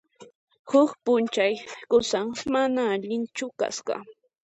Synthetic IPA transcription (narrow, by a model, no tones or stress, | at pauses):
hʊkpʊnt͡ʃajkʊsaŋmanaːʎɪnt͡ʃʊka̰sɢɑ̰